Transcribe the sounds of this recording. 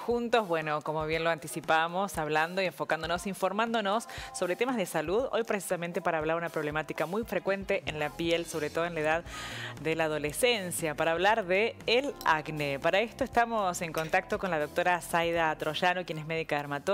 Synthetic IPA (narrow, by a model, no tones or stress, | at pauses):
xunt̪o̞zβwe̞no̞ko̞moβ̞jenloant̪isipamo̞saβland̪oieɱfokand̪onosiɱfo̞ɾmãnd̪o̞nosːo̞βɾet̪emazðesaluðo̞̰jpɾes̬i̥samẽnt̪e̞paɾaːβlaɾunapɾo̞βlemat̪ikamujfɾe̞kwe̞nt̪eʔenlapjelso̞βɾet̪o̞ð̞oenlaeðaððelaːðo̞lesensjapaɾaːβlaɾðeːlaɡnepaɾaest̪oest̪amo̞se̞ŋko̞nt̪ak̚t̪o̞konlaðo̞k̚t̪oɾasajðat̪ɾoʃanokjenezmeðikaɾmat̪o